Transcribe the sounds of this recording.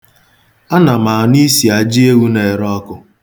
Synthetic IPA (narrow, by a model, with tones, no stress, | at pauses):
a˦na˨ma˨ni˦si˨a˨d͡ʒi˦e˦wu˦ne˨ɾɔ˦kʊ˦